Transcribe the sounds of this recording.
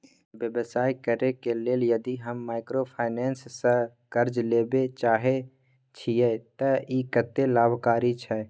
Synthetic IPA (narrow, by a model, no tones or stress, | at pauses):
ʋjəbsaːikəɾekeleːljəd̪iɦəmːaːɪkɾopʰaːɪnɛːnsːə | kəɾd͡ʒleːbet͡ʃaːɦe | t͡ʃʰijet̪əikət̪ːelaːbʱkaːɾit͡ʃʰɛ